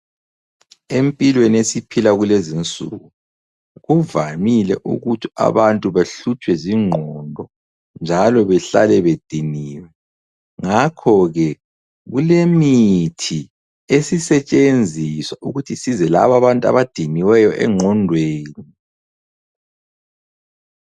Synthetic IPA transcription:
empʼilweniesipʰilaɣulezint͡sʼṵɣu | ɣuvamilɛʔṵɣutʰia̰βantʼuβaɬut͡ʃʰʼwɛziŋ͡ǃʱɔndʱɔ | nd͡ʒʱalɔβɛɬalɛβed̥ʱiniːwɛ | ŋakʰɔɣɛ | ɣulemitʰi | esisɛt͡ʃʼend͡zʱiswaʔuɣutʰisizɛla̰βaβantʼa̰βad̥ʱiniwɛjɔʔɛ̰ŋ͡ǃʱɔndʱweːni

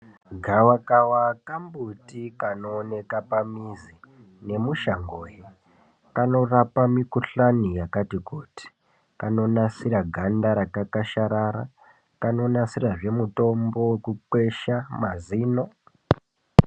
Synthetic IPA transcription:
ɡʱawakawakambutikanoːne̞kapamizi | ne̞muʃaŋɡoːje | kano̞rapamikuɬanijakatikuti̥ | kano̞nasiɾaɡʱandaɾakakaʃaɾaɾa̰ | kano̞nasiraʐe̞muto̞mbo̞wekuǃwe̞ʃamaziːno̞

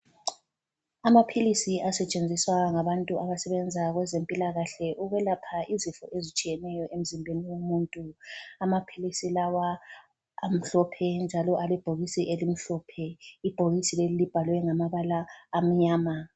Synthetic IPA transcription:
amapʰilisiʔasɛt͡ʃʼend͡zʱiswaŋaβantʼuʔaβasɛβɛnd͡zʱaɣwɛzempʼilaɣaɬɛʔuɣwɛlapʰaizifɔ̰ʔezit͡ʃʼijɛnɛjɔʔem̩zimbʱeniwomuːntʼuamapʰilisilawaː | m̩ɬɔpʰɛnd͡ʒʱalɔʔalɛb̥ʱoɣisiʔelim̩ɬɔːpʰɛib̥ʱoɣisilelilib̥ʱalwɛŋamaβalaːm̩ɲaːma

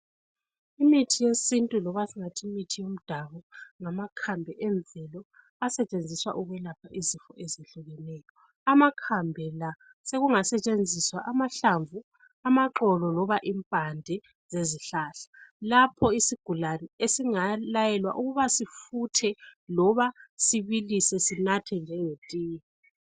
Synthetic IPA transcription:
imitʰijesintʼulɔβasiŋatʰimitʰijom̩d̥ʱaβɔŋamakʰambʱɛʔɛɱb̪vʱɛlɔ | asɛt͡ʃʼend͡zʱiswa̰ʔuɣwɛlapʰaʔizifɔʔeziɬuɣɛnɛːjɔ | amakʰambʱɛla | seɣuŋasɛt͡ʃʼend͡zʱiswaʔamaɬaɱvu | amaǁɔlɔlɔβaʔimpʼandʱɛ | z̥eziɬaːɬḁlapʰɔisiɡ̥ʱulaniesiŋalajɛlwa̰ʔuɣuβasifutʰɛlɔβasiβilisɛsinatʰɛnd͡ʒʱɛŋetʼiːji

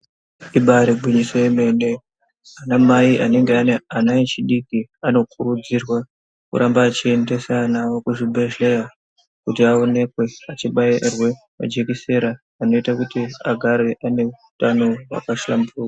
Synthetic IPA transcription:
iɓaɾiɡʱuɲiseeme̞ne̞ | anamaiʔane̞ŋɡeaneanaet͡ʃiɗikiano̞k̚ʰuɾud͡zirwa | kṵɾʔambaːt͡ʃie̞nde̞sanawo̞kuʐibʱe̞ʒeja | kutiao̞ne̞kwe̞at͡ʃiɓairwe̞ | ma̰d͡ʒe̞kise̞ɾaː | no̞itakutiaɡʱaɾe̞ʔane̞uutanowa̰kaʃlambuːwa

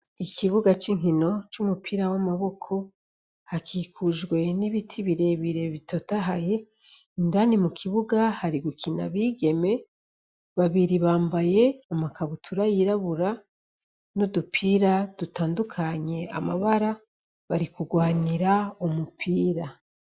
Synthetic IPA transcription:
ikʰiβuɡat͡ʃiŋɦino̞t͡ʃumupʰiːɾawamaβo̞kʰo̞ | hakʰiːkʰuʒɡwe̞niβitʰiβiɾe̞βiɾe̞βitotaɦaje̞ | indanimukʰiβuɡahaɾiɡukʰina̰βiːɡe̞me̞ | βaβiɾiβaːmbaje̞amakʰaβutʰuɾajiɾaβuɾa | nodupʰiːɾad̥utaːndukʰaɲe̞a̰maβaɾa | βaɾikuɡwaːniɾaumupʰiːɾa

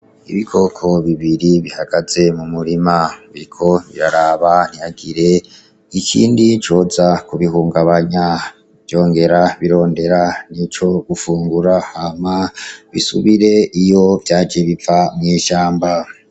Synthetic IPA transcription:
ḭβikʰo̞kʰo̞βiβiɾiβihaɡ̥aze̞mumuɾimaβiɾikʰo̞βḭɾaɾaβan̥ijaɡiɾe̞ | ikʰḭːndit͡ʃo̞ːzakuβihuːŋɡaβaɲa | vjo̞ːŋɡe̞ɾaβiɾo̞ːnde̞ɾanit͡ʃo̞ɡ̥ufuːŋɡuɾahamaβḭsuβiɾe̞ʔijo̞vjaːd͡ʒeβifamŋiːʃaːmba

